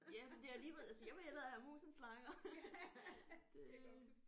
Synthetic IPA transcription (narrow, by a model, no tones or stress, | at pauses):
jæmend̥e̝ææliːʋelˠæsəjɑ̈ʋeelɐæhæmṵːsn̩slɑ̈ŋɐ | d̥e̝